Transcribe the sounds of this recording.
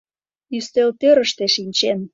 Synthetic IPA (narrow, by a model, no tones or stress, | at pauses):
yst̪elt̪øɾə̆ʃt̪eʃinʲt͡ɕen